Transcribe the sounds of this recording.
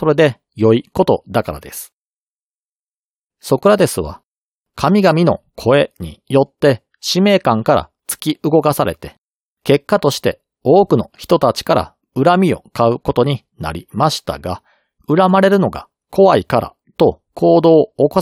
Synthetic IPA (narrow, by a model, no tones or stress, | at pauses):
so̞ɾe̞d̪e̞ | jo̞iko̞t̪o̞d̪akaɾa̰d̪e̞sɨ̥ | so̞kɯ̟ɾad̪e̞sɨβa̰ | kʰamʲiɡamʲino̞kʰo̞e̞ɲ̟ḭjo̞t̪ːe̞ | ɕime̞ːkãŋkaɾa̰ | t͡sɨ̥kʲiɯɡo̞kasaɾe̞̰t̪e̞ | ke̞kːat̪o̞ɕi̥t̪e̞ | o̞ːkɯ̟no̞çi̥t̪o̞t̪at͡ɕi̥kaɾa̰ | ɯ̟ɾamʲio̞kaɯ̟ko̞t̪o̞ɲ̟i | na̰ɾʲḭmaɕi̥t̪a̰ɡa | ɯ̟ɾamaɾe̞ɾɯ̟no̞ɡa̰ | kʰo̞βaikaɾa̰ | t̪o̞ | kʰo̞ːd̪o̞ːko